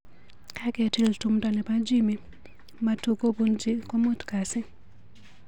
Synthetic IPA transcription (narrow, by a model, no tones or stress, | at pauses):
kakɛtiltumtanɛpad͡ʒimi | matukobund͡ʒikɔmutkasɪ